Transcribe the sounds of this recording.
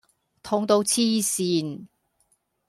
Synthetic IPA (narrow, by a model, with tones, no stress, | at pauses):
t̪ʰɔ˧ŋt̪o˧wt͡sʰiː˥siː˧n